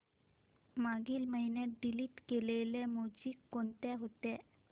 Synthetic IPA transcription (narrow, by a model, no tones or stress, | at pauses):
maɡiːlməɦinjat̪̚ɖiliːʈkelelemod͡ʑiːkːont̪eɦot̪e